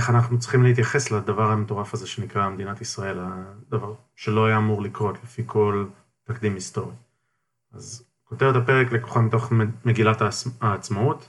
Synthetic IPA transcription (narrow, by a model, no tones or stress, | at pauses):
eχanaχnut͡sʁi̥χimlehit̪̬jaχe̞slad̪avaʁhameto̞ʁafaze̞ʃe̞nikʁamed̪inatisʁae̞lad̪avaʁ | ʃelo̞ajaːmuʁlikʁo̞t̪lefikʰo̞l | takd̪imist̪o̞ʁi | az | ko̞tevet̪ape̞ʁeklekoχodmit̪o̞χme̞ɡilataaːt͡smaut